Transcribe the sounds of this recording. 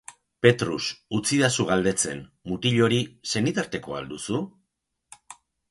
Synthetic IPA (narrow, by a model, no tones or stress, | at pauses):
pe̞t̪ɾusut͡siðasuɣ̞ald̪e̞t͡se̞̰nmut̪iʎo̞ɾise̞nit̪aɾt̪e̞ko̞a̰ld̪usu